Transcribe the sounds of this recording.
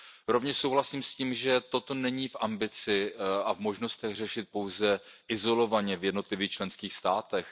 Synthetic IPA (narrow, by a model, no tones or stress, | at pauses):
ɾo̞vɲɛʃsowɦlasiːmsciːmʒɛt̪ot̪o̞nɛɲiːfʔambɪt͡sɪavmo̞ʒno̞st̪ɛɣr̝ɛʃɪt̪̚po̞wzɛʔɪzo̞lo̞vaɲɛvjɛdno̞t̪lɪviːxt͡ʃlɛnskiːxst̪aːt̪ɛx